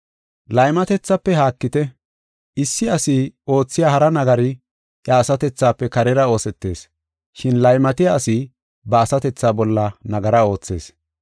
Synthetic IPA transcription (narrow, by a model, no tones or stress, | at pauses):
lɐjmɐt̪ɛt͡sːɐpːɛɦaːkːɪt̪ɛ | ɪsːɪɐsio̞ːt͡sːɪjaːhɐɾɐnɐɡɐɾɪ | ʔjɐːsɐt̪ɛt͡sːaːpːɛkɐɾɛɾɐo̞ːsɛt̪ːe̞ːs | ʃɪnlɐjmɐt̪ɪjaːsɪ | bɐːsɐt̪ɛt͡sːaːbɔlːɐnɐɡɐɾɐo̞ːt͡sːe̞̰ːs